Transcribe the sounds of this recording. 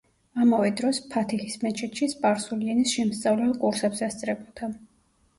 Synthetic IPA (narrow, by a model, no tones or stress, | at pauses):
amavɛd̪ɾɔspʰat̪ʰixismɛt͡ʃʰɛt̪ʃispʼaɾsuliɛnisʃɛmst̪sʼavlɛlkʼuɾsɛpsast̪sʼɾɛbʼɔd̪ʰa